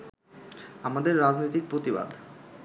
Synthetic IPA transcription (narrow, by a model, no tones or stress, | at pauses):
amad̪eɾːad͡ʑnojt̪ik̚pɾot̪iba̰d̪